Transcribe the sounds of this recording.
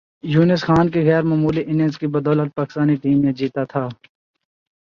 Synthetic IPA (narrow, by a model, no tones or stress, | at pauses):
juːnɪsxaːnkeɣɛːɾmaːmuːliʔɪnə̃nzkibɐd̪ɔːlət̪̚paːkɪ̥st̪aːniʈiːmːẽd͡ʒiːt̪at̪ʰaː